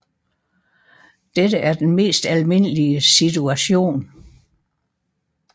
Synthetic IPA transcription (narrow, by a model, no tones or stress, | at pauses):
d̥ed̥əʔæɐd̥enme̝̰ːsd̥ælme̝n̰əliəsit͡sʰuæɕo̝̰ːn